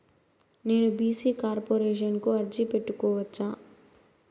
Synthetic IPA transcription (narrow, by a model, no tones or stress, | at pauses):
ne̞ːnubiːsiːkaːɾpoːɾeːʃ̬ɐnkuɐɾd͡ʒipeʈːukɔːʋɐt͡ʃːaː